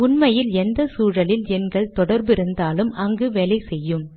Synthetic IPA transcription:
ʊnmɐjɪlɛnd̪ɐsuːɻɐlɪlɛnɡɐɭt̪ɔɽɐɾbɪɾɯnd̪aːlɯmʔɐŋɡɯʋɛlɐɪsɛjːɯm

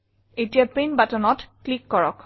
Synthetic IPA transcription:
etijapenbatɔnɔtklikːɔɹɔ̰k

